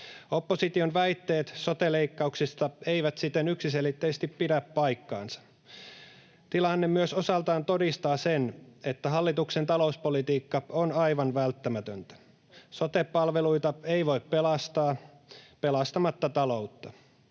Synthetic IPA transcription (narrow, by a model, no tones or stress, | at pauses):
o̞pːo̞sit̪ionʋæjt̪ːe̞ːt̪so̞t̪ele̞ikːɑuksist̪ɑe̞iʋæt̪sit̪ːenyksise̞lit̪ːeːst̪ippidæppɑjkːɑ̰ːnsɑ̥ | t̪ilɑnːemyøso̞sɑlt̪ɑːnt̪o̞dist̪ɑːsene̞t̪ːæɦɑlːit̪uksent̪ɑlo̞uspolit̪iːkːɑonɑjʋɑnʋælt̪ːæmæt̪ønt̪æ̥ | so̞t̪epːɑlʋe̞luit̪ɑeiʋo̞ippelɑst̪ɑː | pe̞lɑst̪ɑmɑt̪ːɑt̪ɑlo̞ut̪ːɑ